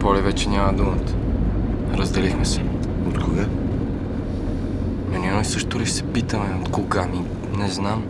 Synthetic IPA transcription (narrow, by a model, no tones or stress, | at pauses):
pɔlivɛt͡ʃɛnʲamɐd̪umət̪ | ɾəzd̪ɛlixmɛsɛ̥ | ot̪koɡa | nonʲiɛnɔjsɤʃt̪ʊliʃsɛ̥pit̪əmɛot̪koɡami | nɛznam